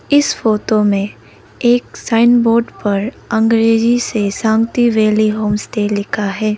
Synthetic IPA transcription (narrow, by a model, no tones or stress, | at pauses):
ɪsfoːt̪omẽ | eːksaːɪnboːɾɖpɐɾ | ɐ̃ŋɡɾeːd͡ʒisesãːŋɡt̪iʋeːliɦoːmsʈeːlːɪkʰaɦɛː